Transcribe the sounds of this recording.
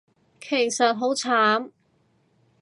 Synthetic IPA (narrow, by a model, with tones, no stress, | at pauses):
kʰe˨˩jsɐ˨t̚ɦo˨˥wt͡sʰaː˨˥m